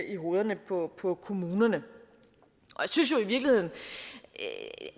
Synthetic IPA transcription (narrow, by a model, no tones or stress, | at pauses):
ʔiɦo̝ːð̞ˠɐnəpʰɒ̽pʰɒ̽kʰo̝muːnɐnə | ʔɒ̽jasynsjo̝iʋiɐɡ̥lihe̝ð̰ˠn̩